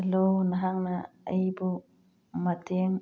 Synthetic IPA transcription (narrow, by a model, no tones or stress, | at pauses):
lonaɦaŋnaajbu | mat̪iŋ